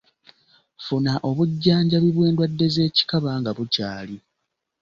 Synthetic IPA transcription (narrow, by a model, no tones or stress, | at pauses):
funaʔo̞βuɟːaːɲɟaβiβwe̞ːndwadːe̞ze̞ːci̥kaβaːŋɡaβucaːli